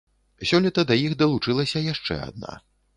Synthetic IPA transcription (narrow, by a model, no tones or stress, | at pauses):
sʲɔlʲit̪ɐd̪ɐjixd̪ɐlˠut͡ʂɨlˠɐsʲɐjaʂt͡ʂɛ̰a̰d̪̚na̰